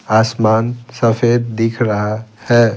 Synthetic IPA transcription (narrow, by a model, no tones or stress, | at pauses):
aːsmaːnsəfʰeːd̪̚d̪ikʰɾəɦahɛ